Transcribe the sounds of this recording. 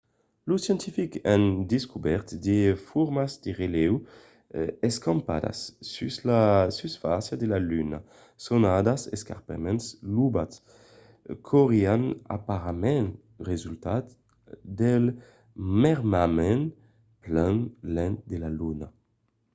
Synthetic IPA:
lusjɛ̃nt̪ifikɛnd̪iskubɛʁt̪d̪efuɾmazd̪eʁelɛw | ɛskɑ̃mpa̰d̪a̰sːyslasysfasjad̪elalyna | sonad̪aseska̰ɾpamɛnslubat̪s | kʰoʁiana̰paʁamɛn | ʁezylt̪at̪ | d̪ɛl | mɛʁmamɛ̃n | plɛnlɛ̃nd̪elaluna

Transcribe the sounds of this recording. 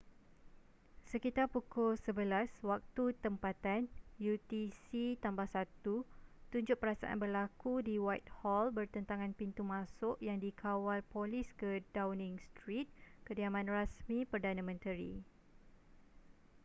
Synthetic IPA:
səkit̪arpukʊlsəbəlaswak̚t̪ut̪əmpat̪anjut̪isit̪ambahsat̪ut̪uɲd͡ʒʊʔ̚pəɾasa̰ʔa̰nbərlakudiwajt̪̚hɔlbərt̪ənt̪aŋãnpint̪umãsʊʔjaŋdikʰawalpoliskədawnĩŋst̪ɾit̪̚kədiamãnrasmĩpərdanãmə̃nt̪əɾḭ

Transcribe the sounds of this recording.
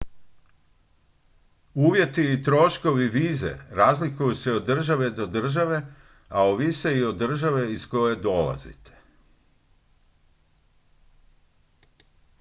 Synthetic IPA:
uːʋje̞t̪iːt̪ɾo̞ʃko̞ʋiʋiːzḛɾaːzlikujuseod̪ːr̩ʒaʋe̞d̪o̞d̪r̩ʒaʋe̞ | aoʋiseio̞d̪ːr̩ʒaʋe̞izko̞je̞d̪o̞la̰zḭt̪e̥

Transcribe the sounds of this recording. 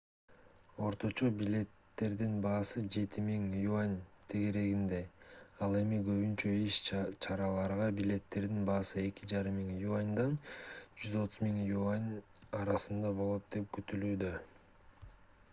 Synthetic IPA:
o̞ɾt̪o̞t͡ʃo̞bilʲe̞t̪ːe̞ɾd̪inbɑːsɯd͡ʒe̞t̪ʰimiŋjuanʲt̪ʰe̞ɡe̞ɾe̞ɡind̪e̞ɑlˠe̞miɡø̞βynt͡ʃø̞iʃt͡ʃʰɑɾɑlˠɑɾʁɑbilʲe̞t̪ːe̞ɾd̪inbɑːsɯe̞kʲid͡ʒɑɾɯmːiŋjuanʲd̪ɑnd͡ʒyzo̞t̪uzmiŋjuanʲɑɾɑsɯnd̪ɑbo̞lˠo̞t̪̚d̪e̞p̚kyt̪ylyːd̪ø

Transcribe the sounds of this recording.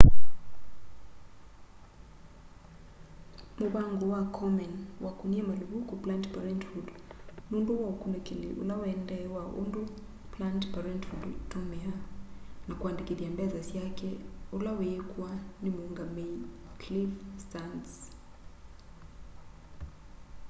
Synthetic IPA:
muβaŋɡɔwakʰɔmɛnwakuniɛmaluβukuplantpaɾɛntfudnunduwaukunɛkiliʔṵlawɛndaɛwaʔṵndu | plantpaɾɛntfudtumɛa | nakwandikiðiambɛðasiakɛulawɛːkuwanimuuŋɡameiklifstans

